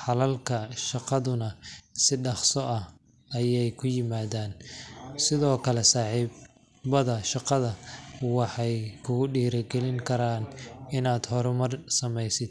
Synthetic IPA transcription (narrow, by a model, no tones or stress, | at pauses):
ħɑlɐlkʰɐʃɑqɑðʊnɐsɪɖɑχsɔʔɐh | ɐjɛjkʰʊjɪmaːðaːnsɪðɔːkʰɐlɛsɑːħiːb | bɐðɐʃɑqɑðɐwɑħɑjkʰʊɣʊɖiːɾɐɡɛlɪŋkʰɐɾaːnɪnaːd̪hɔɾʊmɐrsɐmɛjsɪd̪̚